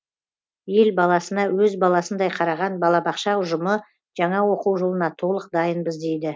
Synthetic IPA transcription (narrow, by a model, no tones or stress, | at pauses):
je̞lbɑlˠɑsənɑwɵzbɑlˠɑsənd̪ɑjqʰɑɾɑʁɑnbɑlˠɑbɑqʃɑʊʒəmə | ʒ̥ɑɴɑwo̞quwʒo̞lˠənɑt̪ʰo̞lˠəq̚d̪ɑjənbəzd̪e̞jd̪ɪ